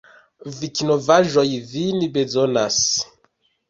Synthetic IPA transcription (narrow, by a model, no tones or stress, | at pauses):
vikinovaʒojvinibezonas